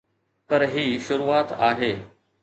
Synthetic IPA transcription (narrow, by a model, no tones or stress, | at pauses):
pɐɾɦiːʃʊɾuːaːt̪aːɦeː